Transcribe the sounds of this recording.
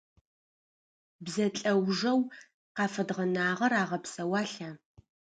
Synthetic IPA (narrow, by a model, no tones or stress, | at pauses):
bzɐt͡ɬʼɐwʐɐw | qɑːfɐdʁɐnaːʁɐɾaːʁɐpsɐwɑːɬaː